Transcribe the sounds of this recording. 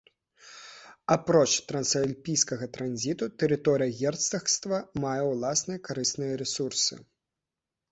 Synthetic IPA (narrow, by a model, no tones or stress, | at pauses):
apɾɔt͡ʂt̪ɾɐnsɐlʲpʲijskɐɣɐt̪ɾanzʲit̪ut̪ɛɾɨt̪ɔɾɨjɐɣʲɛrt̪sɐxst̪vɐmajɛwlˠasnɨjɐkaɾɨsnɨjɐɾɛsursɨ̰